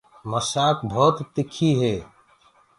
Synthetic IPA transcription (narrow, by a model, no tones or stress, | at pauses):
məsaːkbʱɔːt̪t̪ɪkʰːiɦeː